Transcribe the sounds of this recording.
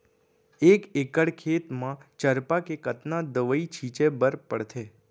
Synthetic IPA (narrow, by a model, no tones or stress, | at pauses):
ekekəɽkʰet̪mãt͡ʃəɾpakekət̪nad̪əʋəit͡ʃʰit͡ʃebəɾpəɽt̪ʰe